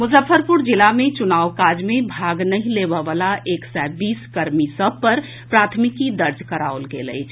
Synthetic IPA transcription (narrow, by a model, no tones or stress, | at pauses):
mʊzəfʰəɾpuɾd͡ʒilamet͡ʃunaːwkad͡ʒmebʱaɡnəɦĩlebəʋalaʔeksɛbiːskəɾmisəb̚pəɾ | pɾat̪ʰmikid̪əɾd͡ʒʱkəɾaolɡeləɪt͡ʃʰ